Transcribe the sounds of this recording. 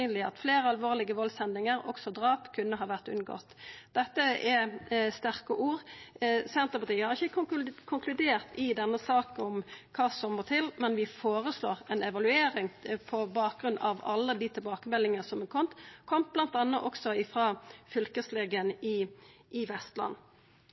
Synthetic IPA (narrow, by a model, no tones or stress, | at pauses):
yːnlɪɑ̰t̪fleːɾəɑlʋoːʁlɪɡəʋɔlsɛnɪŋəɾɔ̰ksɔd̪ʁɑːpkʰʉnːəɦɑːʋæʁt̪ʉ̰nɡɔ̰ːt̪d̪ɛt̪ːəɛst̪æʁkəʔuːʁsɛnt̪ʁəpɑt̪ʰiːəhɑɾɪçːəkʰʊŋkʰlʉd̪eːʁt̪ɪd̪ɛnːəsɑːkɔmkʰɑːsɔmːət̪ʰɪlmɛnʋɪfoːʁəsloːʁɛnɛʋɑlʉeːɾɪŋpʰɔbɑːk̚ɡʁʉnːʔɑʋɑlːəd̪it̪ʰɪlbɑːkəmɛlːɪŋəsɔmkʰɔmt̪kʰɔm̚blɑnt̪ɑnːəʔɔksɔɪfʁɑːfʏlkəsleːɡəənɪʔɪʋɛst̪lɑ̰nː